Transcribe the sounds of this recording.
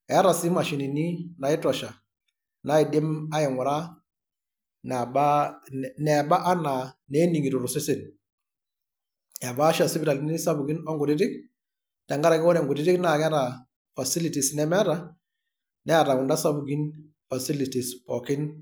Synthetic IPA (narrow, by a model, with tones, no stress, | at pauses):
ɛ˨a˦ɾa˨sɪ˦ma˨ʃi˨ni˨ni˦na˨ɪ˦tɔ˨ʃa˨ | na˦ɪ˨de˦ma˦ɪ˨ŋʊ˨ɾa˦ | na˨ba˦nɛ˨ba˦ʔa˦na˨nɛ˦ni˨ŋi˨tu˨ɾu˨sɛ˦se˨n | ɛ˨baː˦ʃa˨si˦bɪɾa˨li˨ni˦sa˦bu˨ɡi˦nɔ˦ŋɡʊ˨ɾɪ˦tɪ˦k̚ | ta˨ŋɡa˦ɾa˨kɪ˦wɔ˦nɛ˨ŋɡʊ˨ɾɪ˦tɪ˦kna˦˨ka˦ɾa˨ | fa˨si˦li˨ti˨snɛ˦mɛ˦a˦ta˦ | nɛ˦a˨ɾa˨ʊ˨nda˦sa˦bu˨ɡi˦n | fa˨si˦li˨ti˨spɔ˨kɪ˦n